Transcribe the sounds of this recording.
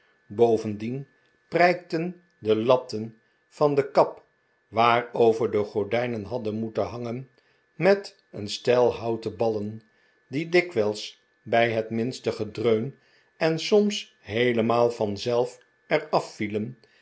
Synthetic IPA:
bowvəndin | prɛjk̚tən | dəlɑp̚tən | v̥ɑndəkɑp | ʋaːrowvəɹdəχɔɹdɛjnənɦɑdənmutənɦɑŋən | mɛt | ənstɛlˠɦɑwtəbɑlən | didɪkʋɛlˠs | bɛjɦətmɪnstəχədrøɥn | ɛnsɔms | ɦejləmaːlˠvɑnzɛlˠf | ɛrɑfːilən

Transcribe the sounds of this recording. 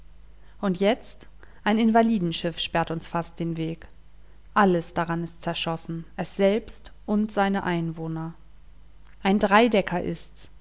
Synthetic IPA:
ʔʊntjɛt͡st | ʔaɪnɪnvaliːdn̩ʃɪfʃpɛɐtʊnsfast̚d̥eːnveːk | ʔaləsd̥aʁanɪstt͡sɛɐʃɔsn̩ʔɛsz̥ɛlpstʔʊntz̥aɪnəʔaɪnvoːnɐ | ʔaɪndʁaɪdɛkʰɐʔɪ̰sts

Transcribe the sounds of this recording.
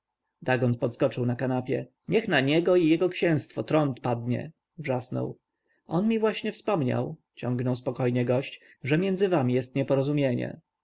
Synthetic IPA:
d̪aɡɔnt̪̚pɔt̪skɔt͡ʂɘwnakanapʲjɛ | ɲɛxnaɲɛɡɔijɛɡɔkɕɛ̃w̃st̪fɔt̪ɾɔnt̪pad̪̚ɲɛ̰ | vʐasnɔ̰w | ʔɔnmʲivwaɕɲɛfspɔmɲa̰w | t͡ɕɔ̃ŋɡnɔwspɔkɔjɲɛɡɔɕt͡ɕ | ʐɛmʲjɛnd̪zɘvamʲijɛst̪ɲɛpɔɾɔzumʲjeɲɛ̰

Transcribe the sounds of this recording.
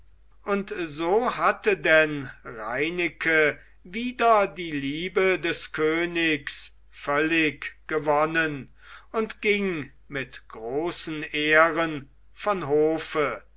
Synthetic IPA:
ʔʊntzoːhatədɛnʁaɪnɪkʰə | viːdɐdiːliːbədɛskʰøːnɪks | fœlɪkɡ̥əvɔnən | ʊntɡ̥ɪŋ | mɪtɡ̥ʁoːsn̩eːʁən | fɔnɦoːfə

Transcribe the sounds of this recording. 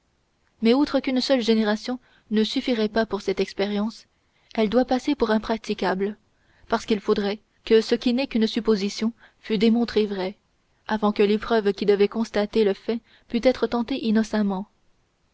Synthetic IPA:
mɛut̪χəkynsœlʒeneʁasjɔ̃ | nəsyfiʁɛpapuʁsɛt̪ɛkspeʁjɑ̃s | ɛld̪wapasepuʁɛ̃pχat̪ikʲabl | paʁsə̥kilfod̪ʁɛ | kəsəkʲinɛkynsypozisjɔ̃ | fyd̪emɔ̃t̪χevʁɛ | avɑ̃kəlepχœvkʲid̪əvɛkɔ̃st̪at̪eləfɛ | pyt̪ɛt̪χət̪ɑ̃t̪eʔinɔsamɑ̃

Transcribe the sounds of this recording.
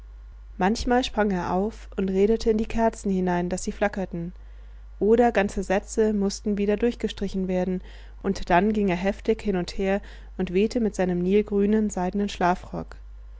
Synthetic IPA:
mançmaːlʃpʁ̥aŋeːɐʔaʊfʔʊntʁeːɾətʰəɪndiːkʰɛɐt͡sn̩hɪnaɪndasz̥iːflakɐtn̩ | ʔoːɾɐɡant͡səzɛt͡səmʊstn̩viːdɐdʊɐçɡ̥əʃtʁ̥ɪçn̩veːɐdn̩ | ʔʊntd̥anɡɪŋeːɐɦɛftɪçhɪnʊntheːɐ | ʔʊntv̥eːtʰəmɪtz̥aɪnəmniːlɡʁyːnənzaɪdn̩ənʃlaːfʁ̥ɔk

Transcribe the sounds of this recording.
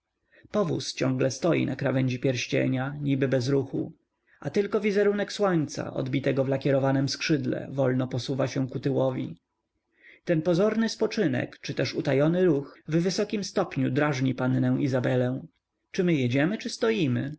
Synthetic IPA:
pɔvṵst͡ɕɔ̃ŋɡlɛst̪ɔjḭnakɾavɛɲʲd͡ʑɛpʲjɛɾɕt͡ɕɛ̰ɲaɲibɘbɛzɾuxṵ | at̪ɘlkɔvʲizɛɾunɛkswɔɲt̪sa̰ʔɔ̰d̪bʲit̪ɛɡɔvlakʲɛɾɔvanɛmskʂɘd̪lɛ̰vɔlnɔpɔsuvaɕɛ̃kut̪ɘwɔvʲḭ | t̪ɛnpɔzɔɾnɘspɔt͡ʂɘnɛ̰kt͡ʂɘt̪ɛʂut̪ajɔnɘɾuxvvɘsɔkʲimst̪ɔpɲud̪ɾaʐɲipanːɛ̃w̃ʔizabɛlɛ̃w̃ | t͡ʂɘmɘjɛd͡ʑɛmɘt͡ʂɘst̪ɔjimɘ

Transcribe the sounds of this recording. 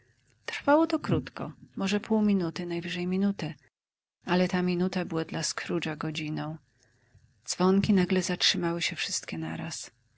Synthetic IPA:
t̪ɾ̥fawɔt̪ɔkɾut̪kɔ̰mɔʐɛpʰuwmʲinut̪ɘnajvɘʐɛjmʲinut̪ɘ | alɛt̪amʲinut̪abɘwad̪laskʰɾuʐaɡɔd͡ʑinɔ̃w̃ | d̪z̥vɔŋkʲinaɡlɛzatʂɘmawɘɕɛfʂɘst̪kʲɛna̰ɾa̰s

